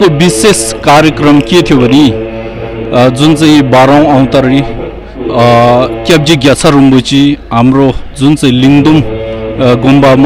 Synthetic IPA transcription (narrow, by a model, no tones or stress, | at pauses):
obiseskaɾjʌkrʌmket̪ʰjobʱʌni | d͡zunt͡saĩbaɾaw̃aw̃t̪aɾi | kjʌb̚d͡ʒiɡjʌt͡sʰaɾumbut͡siɦamrod͡zunt͡saĩliŋd̪um | ɡumbam